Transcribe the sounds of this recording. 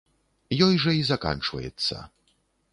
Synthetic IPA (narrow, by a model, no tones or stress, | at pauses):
jɔjʐɐizɐka̰nt͡ʂvɐ̰jɛ̰t̪sːɐ̰